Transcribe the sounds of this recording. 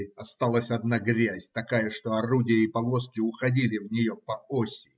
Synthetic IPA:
ɐst̪alˠəsʲɐd̪naɡɾʲæzʲt̪ɐkajəʂt̪o̞ɐrudʲɪjəipɐvo̞skʲɪʊxɐdʲilʲɪvnʲɪjo̞pɐosʲɪ

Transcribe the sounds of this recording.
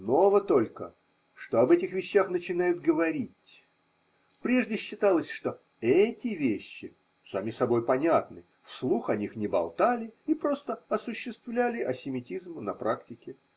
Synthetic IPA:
no̞vət̪o̞lʲkə | ʂt̪o̞ɐbɛtʲɪxvʲɪɕːaxnət͡ɕɪnajʊd̪̚ɡəvɐɾʲitʲ | pɾʲe̞ʐdʲɪɕːɪt̪alˠəsʲʂt̪o | ɛtʲɪvʲeɕːɪ | samʲisɐbo̞jpɐnʲat̪nɨ | fslˠuxɐnʲixnʲɪbɐ̰lˠt̪alʲɪipɾo̞st̪əɐsʊɕːɪst̪vlʲælʲɪʔɐsʲɪmʲɪtʲizmnɐpɾaktʲɪkʲɪ

